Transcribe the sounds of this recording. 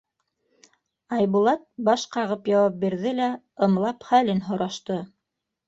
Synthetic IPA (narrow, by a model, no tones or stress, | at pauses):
ɑjβulˠɑt̪̚bɑʃqɑʁɤpjɑwɑp̚biɾðɘlæ | ɤ̆mlˠɑpχælɘnɦŏɾɑʃt̪ɤ